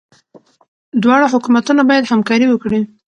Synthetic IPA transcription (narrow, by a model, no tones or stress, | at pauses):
d̪wɑɽaɦʊkumat̪unabɑjad̪hamkɑɾiwəkɽi